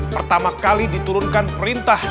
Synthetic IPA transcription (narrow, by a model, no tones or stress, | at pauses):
pərt̪amakalidit̪uɾʊnkanpəɾint̪ah